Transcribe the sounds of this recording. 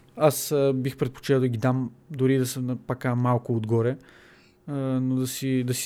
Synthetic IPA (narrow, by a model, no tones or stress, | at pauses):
asbixpɾɛt̪̚po̥t͡ʃit̪əd̪əɡʲid̪amd̪ʊɾid̪ɐsəpɐkamalˠkʊod̪ɡɔɾɛ | nod̪ɐsid̪ɐsi̥